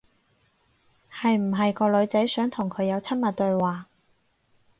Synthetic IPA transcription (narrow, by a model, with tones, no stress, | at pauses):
hɐ˨jm̩˨˩ɦɐ˨jkɔː˧lɵ˨˧ɥt͡sɐ˨˥jsœː˨˥ŋt̪ʰʊ˨˩ŋkʰɵ˨˧ɥjɐ˨˧wt͡sʰɐ˥nmɐ˨t̚t̪ɵ˨˧ɥwaː˨